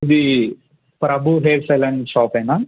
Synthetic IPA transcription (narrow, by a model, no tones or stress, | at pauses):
id̪i | pɾɐbʱuɦeːlselɐɳʃaːpɐjnaː